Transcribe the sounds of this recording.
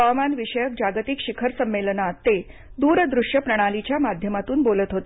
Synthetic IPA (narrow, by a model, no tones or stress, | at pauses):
amanʋiʂəjək̚d͡ʑaɡt̪ikɕikʰəɾsəmːelnat̪e | d̪uːɾd̪ɾuʂjəpɾəɽ̃alit͡ɕjamad̪ʱjəmat̪uːnbolət̪ɦot̪e